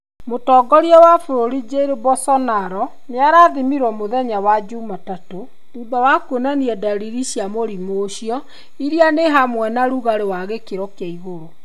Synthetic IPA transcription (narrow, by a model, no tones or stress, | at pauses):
motɔːɡɔɾiɔwafoɾoɾid͡ʑeɾebɔsɔnaɾɔ | mjaɾaːðimiɾwɔmoðɛɲawad͡ʑumatato | ubawakonaniɛdaɾiɾiɕiamoɾimoːɕiɔ | iɾianeɦamwɛnaɾuɣaɾewaɣekeɾɔkeaiɣoɾo